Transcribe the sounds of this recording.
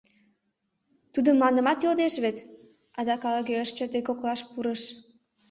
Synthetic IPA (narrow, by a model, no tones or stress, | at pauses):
t̪ud̪əmːɑnə̆mɑt̪jod̪eʃβet̪ | ɑd̪ɑkɑləɣeəʃt͡ɕə̆t̪ekoklɑʃpuɾəʃ